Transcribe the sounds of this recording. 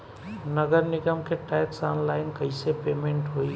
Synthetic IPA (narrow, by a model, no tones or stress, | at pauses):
nəɡəɾnɪɡəmkeʈɛjksaːnlaːɪnkəɪsepeːmẽɳʈɦoi